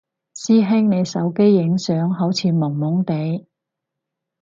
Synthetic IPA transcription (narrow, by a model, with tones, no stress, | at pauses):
siː˥ɦɪ˥ŋne˨˧jsɐ˨˧˥wke˥jːɪ˨˧˥ŋsœː˨˥ŋɦɐ˨˥wt͡sʰiː˨˧mʊ˨˩ŋmʊ˨˥ŋt̪e˨˧j